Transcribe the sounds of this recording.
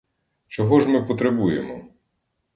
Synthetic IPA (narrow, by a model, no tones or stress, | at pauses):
t͡ʃɔɦɔʒmɪpɔt̪ɾebujḛmɔ